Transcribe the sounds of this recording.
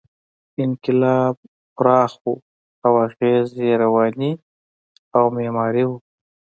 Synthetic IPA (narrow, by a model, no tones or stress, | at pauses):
ɪŋkɪlɑːb̚ | xʊɾɑːxu | awaɣeːzeɾawɑːni | awmeːmɑːɾiwu